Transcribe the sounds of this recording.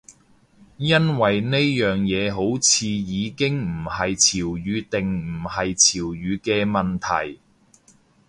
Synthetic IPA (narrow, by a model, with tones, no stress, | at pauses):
jɐ˥nwɐ˨jne˥jːœː˨ŋjɛː˨˧ɦo˨˥wt͡sʰiː˨˧jiː˨˧kɪ˥ŋm̩˨˩hɐ˨jt͡sʰiː˨˩wjyː˨˧t̪ɪ˨ŋm̩˨˩hɐ˨jt͡sʰiː˨˩wɥyː˨˧kɛː˧mɐ˨nt̪ʰɐ̰˨˩j